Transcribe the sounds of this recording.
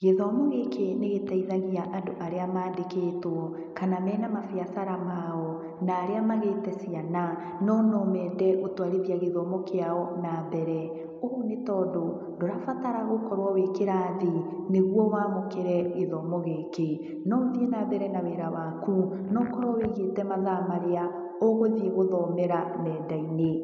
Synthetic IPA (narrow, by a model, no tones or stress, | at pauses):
ɣeðɔmɔɣekeneɣetaiðaɣiaʔandoʔaɾeamaːdekeːtwɔ | kanamɛːnamafiasaɾamaɔ | naːɾeamaɣetɛsiana | nɔnɔmɛːdɛʔotwaɾeðiaɣeðɔmɔkeaɔnaðɛɾɛ | oonetɔːdo | ndoɾafataɾaɣokɔɾwɔwekeɾaːðineɣwɔwamokeɾɛɣeðɔmɔɣeːke | nɔðienaːβɛɾɛnaweːɾawaku | nɔkɔɾwɔweɣetɛmaðamaɾea | oɣoðeɣoðɔmeɾamɛːdaine